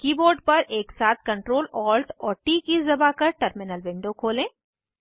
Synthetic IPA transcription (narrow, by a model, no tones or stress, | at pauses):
kiːboːɾɖpɐɾʔeːksaːt̪̚ʰkɐ̃ɳʈɾoːlɔːlt̪ɔːɾʈiːkizɐbakɐɾʈəɾmɪnəlʋɪ̃ɳɖokʰoːlẽː